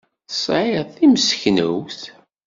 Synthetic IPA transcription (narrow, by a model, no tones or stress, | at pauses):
sˤʕɪʁθiməsçnəwθ